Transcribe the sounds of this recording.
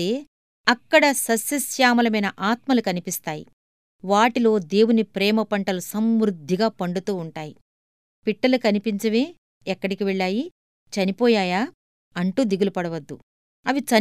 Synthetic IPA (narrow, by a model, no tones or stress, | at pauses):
eː | ɐkːɐɽɐsɐsjɐsjaːmɐlɐmɐjnɐʔaːt̪mɐlukɐnipist̪aːjḭ | ʋaːʈilo̞ːd̪e̞ːwunipɾɛːmɐpɐɳʈɐlusɐmɾud̪ʱːiɡaːpɐɳɖut̪uːɳʈaːji | piʈːɐlukɐnipiɲt͡ʃɐʋeː | ɛkːɐɽikiʋɛɭːaːji | t͡ʃɐnipɔːjaːjaː | ɐɳʈuːd̪iɡulupɐɽɐʋɐd̪ːu | ɐʋit͡ʃɐ